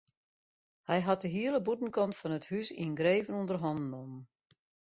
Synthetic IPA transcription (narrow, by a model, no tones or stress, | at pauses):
hɛjɦat̚dəɦiələbutn̩kɔntfɔnəthysḭnɡɾeːvənundərɦɔndnomən